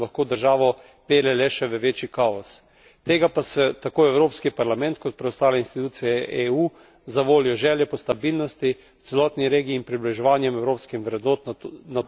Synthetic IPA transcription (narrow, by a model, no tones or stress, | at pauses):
laxkoːd̪əɾʒaːʋɔ | peːɾlɛlɛʃɛʋəʋeːt͡ʃikaɔs | t̪eːɡapasɛt̪akoːɛwɾoːpskipaɾlamɛ̃nt̪kɔt̪̚pɾɛɔst̪aːlɛinst̪it̪uːt̪sijɛʔeuː | zaʋoːlijɔʒɛːljɛpɔst̪abilnɔst̪i | wt̪sɛlɔːt̪niɾeːɡiːnpɾibliʒɛʋaːnjɛmɛwɾoːpskixʋɾɛd̪nɔt̪na